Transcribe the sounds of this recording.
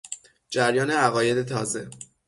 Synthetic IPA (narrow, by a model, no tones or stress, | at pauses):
d͡ʒæɾjɒːne̞æɣɒːje̞d̪e̞t̪ʰɒːze̞